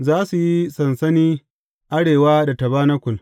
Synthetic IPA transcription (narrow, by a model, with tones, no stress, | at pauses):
zaː˦su˨ji˦sɐ˨nsɐ˦niː˦ | ʔa˦ɽeː˨waː˦da˨tɐ˨baː˦nɐ˦kʷʊ˨l